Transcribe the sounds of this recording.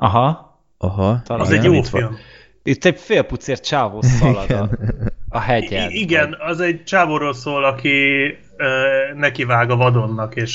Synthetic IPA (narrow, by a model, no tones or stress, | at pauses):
ʔɒɦɒ | ɒɦɒt̪ɒlɒzɛjoːfilm | it̪ːɛɟfeːlput̪seːrt͡ʃaːvoːsilɒɛnɒɦɛɟɛliɡɛnɒzɛɟt͡ʃaːvoːɾoːlsoːlɒki | øːnɛkivaːɡɒvɒd̪o̞nːɒkeːʃ